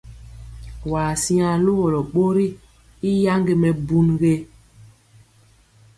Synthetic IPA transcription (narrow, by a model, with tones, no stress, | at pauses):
waː˨si˦ã˨lo˦ɣɔ˨lɔ˨ɓo˦ɾi˦ | i˦ja˦ŋɡe˨mɛ˨bu˦nɣe˦